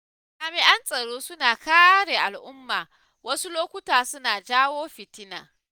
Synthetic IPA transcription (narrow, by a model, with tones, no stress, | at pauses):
kaː˨mɪ˨ʔa˦nsʼɐ˨ɽoː˦sʊ˦naː˨kaː˦ɽeː˨ʔa˨lʔʊ˦mːaː˨ | wɐ˦su˦loː˦kʷʊ˦taː˨sʊ˦naː˨d͡ʒaː˦woː˦ɸɪ˨tɪ˦na̰ː˨